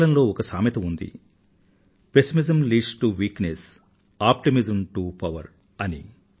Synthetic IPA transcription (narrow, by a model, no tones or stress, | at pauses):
lɐnlo̞ːɔkɐsaːmit̪ɐmund̪ḭ | pe̞simizɐmliːɖsʈuʋiːknes | aːpʈimizɐmʈupɐʋɐ̰ɾ | ɐnḭ